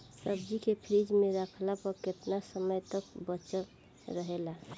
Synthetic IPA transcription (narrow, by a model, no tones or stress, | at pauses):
pɾəbd͡ʒikepʰɾid͡ʒmeɾəkʰlapəɾket̪nasəməjt̪əkbət͡ʃə | ɾəɦela